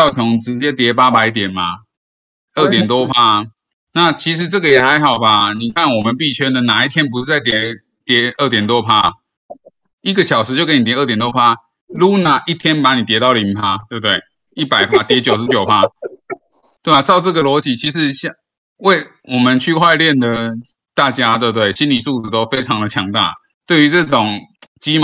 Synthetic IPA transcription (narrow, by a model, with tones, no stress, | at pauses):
ɑ˥˩ʊt͡ɕʰɔ˧˥ŋʈ͡ʂɻ̩˧˦t͡ɕjɛ˥t̪jɛ˧˥pa˥pa˧˥ɪt̪̬jɛ˨˩nma˨ | ə˥˩t̪jɛ˨˩nt̪wɔ˥˦pʰa˥ | na˥˨t͡ɕʰi˧˥ʂ̬ɻ̩˧˦t͡sɤ˥˩ɡə˩jɛ˨˩xa˧˥ɪxɑ˨˩ʊba˨ni˨˩kʰa˥˩nwɔ˨˩mə˨˦npi˥˩t͡ɕʰɥɛ˥d̪ə˨na˨˩i˥˩t̪ʰjɛ˥npu˧ʂ̩˥˧t͡sa˥˩ɪt̪jɛ˧˥ | t̪jɛ˧˥ə˥˩t̪jɛ˨˩nt̪̬wɔ˦˥pʰa˥ | i˥ɡə˨ɕjɑ˨˩ʊʂɻ̩˧˥t͡ɕjo˥˩kni˨˩j̪jɛ˨˩nt̪wɔ˥pʰa˥ | lu˧˥na˨˦ʔi˥˩t̪ʰjɛ˥npa˧˥ni˨˩t̪jɛ˧˥t̪ɑ˥˩ʊlə˨i˧˥pʰa˦˥t̪we˥˩b̚t̪we˥˩ɪ | i˥˩pa˨˩ɪpʰa˦t̪jɛ˧˥t͡ɕjo˨˩ʊʂ̩˧˦t͡ɕjo˨˩ʊpʰa˦˥ | t̪we˥˩a˨˩t͡sɑ˥˧ʊʈ͡ʂɤ˥˩ɡə˨lwɔ˧˥t͡ɕi˨˩t͡ɕʰi˧˥ʂɻ̩˧˦ɕ | we˥˩ɪ | wɔ˨˩mə˨˦nt͡ɕʰy˥˧kʰwa˥˧ɪljɛ˥˨˩nd̪ə˩ | t̪a˥˩t͡ɕja˥t̪we˥˧bt̪we˥˩ɪɕi˦˥nli˨˩su˥˧t͡s̩˨˩t̪o˥ʊfe˥ɪʈ͡ʂʰɑ˧˥ŋd̪ə˨t͡ɕʰjɑ˧˥ŋt̪a̰˥˩ | t̪we˥˩ɪy˧˥t͡sɤ˥˩ʈ͡ʂʊ˨˩ŋt͡ɕi˥m